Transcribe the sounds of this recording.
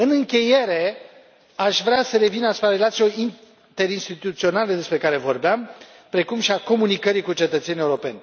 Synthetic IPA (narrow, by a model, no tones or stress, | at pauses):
ɨnɨŋkʲe̞je̞ɾe̞ | aʃvɾeasəɾe̞vinasupɾaɾe̞lat̪sioin | t̪e̞ɾinst̪it̪ut̪sio̞naled̪e̞spɾe̞kaɾe̞vo̞rbeam | pɾe̞kumʃiako̞munikəɾikut͡ʃe̞t̪ət̪se̞nije̞uɾo̞pe̞̰nʲ